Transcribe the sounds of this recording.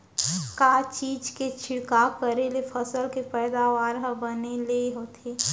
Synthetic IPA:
kaːt͡ʃiːd͡ʒket͡ʃʰɪɽkakəɾelepʰəsəlkepɛːd̪aʋaːɾɦəbəneleɦoːt̪ʰeː

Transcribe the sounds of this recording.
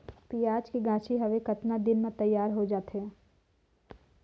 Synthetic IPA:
piːaːd͡ʒkiɡãːt͡ʃʰiɦɐʋekɐt̪nad̪ɪnmãt̪ɐjːaːɾɦod͡ʒaːt̪ɦɛː

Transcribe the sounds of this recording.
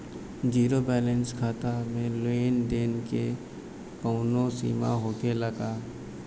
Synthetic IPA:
d͡ʒiːɾobɛːlɛnskʰaːt̪amẽloeːnd̪eːnke | pəʊnõsḭːma̰ɦoːkeləɡaː

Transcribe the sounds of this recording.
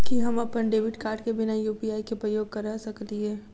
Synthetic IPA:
kiɦɐmɐpːənɖeːʋɪʈkaːɾɖkebɪnajuːpiaːikepɾɐjoːɡ̚kɐɾasɐkt̪iɦɛː

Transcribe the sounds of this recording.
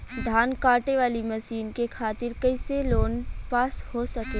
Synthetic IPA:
d̪ʱaːnkaːʈeʋaːlimɐsiːnkekʰaːt̪ɪɾkɐɪseloːnpaːshosɐke

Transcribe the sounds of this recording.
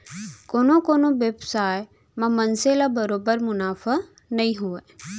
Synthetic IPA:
koːnokoːnoʋebsaːej | mãmɐnselabəɾoːbəɾmʊnaːfa | nɐĩɦue

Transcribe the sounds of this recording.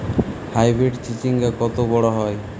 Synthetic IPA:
hajbɾeʈt͡ɕit͡ɕiŋɡakɔt̪obɔɽaɦɔe

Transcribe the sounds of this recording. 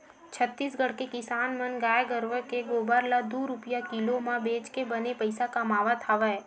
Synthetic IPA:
t͡ʃʰət̪ːiːsɡəɽ̤kekɪsaːnmənɡaːjɡəɾʋəkeɡoːbaːɾlad̪uːɾʊpjakɪlomãbeːt͡ʃkebənepəɪsakamaːʋat̪ʰaːʋaɛ

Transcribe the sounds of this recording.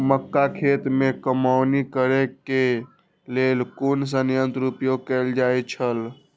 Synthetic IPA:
məkːakʰet̪mẽkəmaʊnikəɾeke | lelkuns̬ənjə̃nt̪ɾupjoɡ̚kɛːld͡ʒaːjt͡ʃʰəl

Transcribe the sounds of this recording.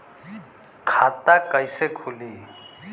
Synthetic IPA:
kʰat̪akəjsekʰuli

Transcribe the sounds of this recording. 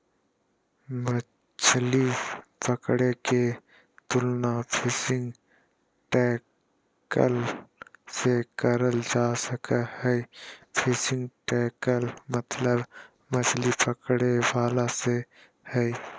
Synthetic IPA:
mə | t͡ʃlipəkɽeke | t̪ʊlnapʰeːsɪ̃ŋɡ | ʈɛː | kə̰l | sekəɾəld͡ʒaːsəkahɛpʰeːsɪ̃ŋɡʈɛːkəlmət̪ləb | mət͡ʃlipəkɽebaːlase | hɛ

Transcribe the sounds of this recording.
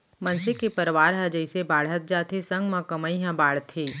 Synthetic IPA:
mɐ̃nsɪkːipɐɾʋaːɾɦɐd͡ʒəisebaːɽ̤ət̪̚d͡ʒaːt̪ʰesɐ̃ŋɡmãkɐməiɦãbaːɽ̤t̪ʰiː

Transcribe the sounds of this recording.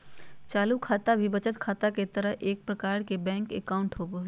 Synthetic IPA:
t͡ʃaːlukʰaːt̪abʱibət͡ʃət̪kʰaːt̪aket̪əɾəɦʔeːk̚pɾəkaːɾkebɛ̃ːŋkekaʊɳʈɦoboɦ

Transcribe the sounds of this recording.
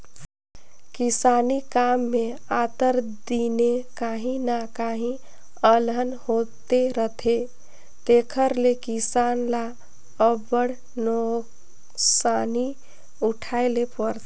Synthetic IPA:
kisanikamːeat̪əɾd̪inekaɦĩnakaɦĩ | əlɦənhot̪eɾət̪ʰe | t̪ekʰəɾlekisanla | əbəɽ | no | sani | uʈʰaelepəɾt̪

